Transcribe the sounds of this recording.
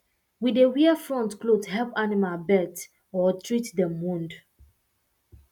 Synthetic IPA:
widewiəfɹɔ̃ntklodhɛlpanimabɛt | ɔtʰɹitdɛmːũnd

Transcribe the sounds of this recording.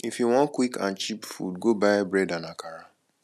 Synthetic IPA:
ifiwɔ̃nkwikã̰nt͡ʃipfṵdɡobaɪbɾɛdanakʰaɾa

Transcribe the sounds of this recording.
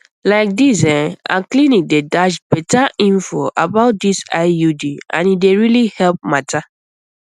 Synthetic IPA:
laɪk̚disɛ̃na̰klĩnik̚dedaʃbɛtaʔĩnfoʔa̰baʊt̚disaɪjudiã̰nideɹilihɛlp̚matʰa

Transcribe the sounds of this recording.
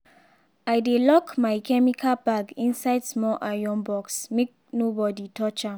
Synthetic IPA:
ajdelɔkmajkʰɛmikʰabaɡĩnsaɪdsmɔʔajɔ̃nbɔksmek̚nobɔditʰɔt͡ʃa

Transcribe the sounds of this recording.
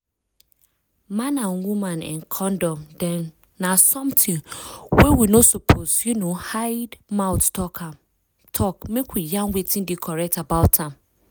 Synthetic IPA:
mãnãnwumãnɛ̰̃nkʰɔ̃ndɔ̃mdɛ̃nː | asɔ̃mtʰɪ̃ŋwɛwinosopʰosjunõhaɪdmaʊttɔkʰ | tʰɔkmekwijãnwetʰĩndikʰɔɹɛk̚tabaʊtʰãm

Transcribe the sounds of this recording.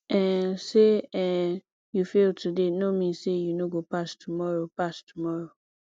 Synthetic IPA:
ɛ̃seɛ | jufeltudenomĩsejunoɡopastʰumɔɹopastʰumɔɹo

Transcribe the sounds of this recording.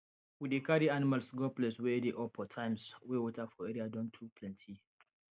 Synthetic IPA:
widekaɾianimalsɡɔplɛswɛdeʔɔpʰɔtʰãjmswewɔtafɔɛɾiadɔ̃ntʰupʰlɛ̃ntʰi

